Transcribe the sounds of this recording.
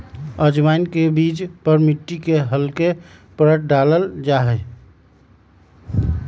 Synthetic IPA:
əd͡ʒmaɪnkebiːd͡ʒpəɾmiʈːikeɦəlkepəɾəʈ̚ʰɖaləld͡ʒaɦɛ

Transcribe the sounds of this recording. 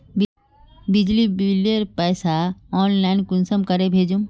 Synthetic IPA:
bɪd͡ʒlibɪlijəɾpɛːsaɔːnlaɪnkʊnsəmkəɾebʱeːd͡ʒũm

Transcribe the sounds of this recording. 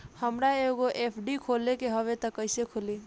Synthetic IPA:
həmɾaeɡoʔepʰɖikʰolekeɦəʋet̪əkːəɪsekʰoli

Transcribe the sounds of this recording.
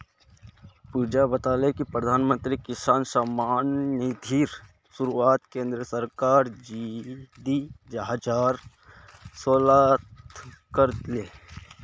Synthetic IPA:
puːd͡ʒabət̪aːlekipɾəd̪ʱaːnmə̃nt̪ɾikɪsaːnsamaːnːid̪ʱiɾ | suɾuaːt̪kẽːnd̪ɾəsəɾkaːɾd͡ʒid̪id͡ʒɦəd͡ʒaːɾ | soːlat̪kəɾleː

